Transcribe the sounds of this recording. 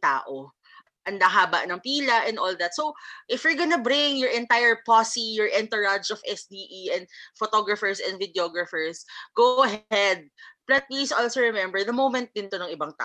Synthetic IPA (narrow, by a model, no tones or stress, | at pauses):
t̪a̰ːʔo | ʔɐnd̪aɦaːbɐ̰ʔnɐŋpiːlɐʔɛ̃nd̪ʔoːlðat̪̚sowʔɪfjʊɹɡɐnɐbɾɪŋjɔɹʔɛnt̪ajɛɹposijɔɹʔɛnt̪ɛɹad͡ʒɔfɛsd̪iːʔiʔɛ̃nd̪̚fɔt̪oɡɹɐfɛɹsɛnd̪vɪd̪ɛoɡɹɐfɛɹsɡ̥owʔɐɦɛd̪̚plɛt̪̚plisolsoɹɛmɛmbɛɹd̪ɐmowmɛ̃nt̪̚d̪ɪnt̪onɐŋɪbaŋt̪a̰ːʔ